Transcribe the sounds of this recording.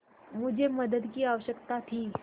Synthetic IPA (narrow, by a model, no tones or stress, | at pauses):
mʊd͡ʑʱeməd̪əd̪kiːaʋəɕəkt̪at̪ʰiː